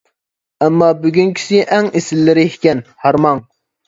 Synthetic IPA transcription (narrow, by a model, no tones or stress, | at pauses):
ɛmːɑːbyɡʲyŋkʲʰi̥sɪʔɛŋesɪlːɪɾɪhkʲɛnhɑɾmɑŋ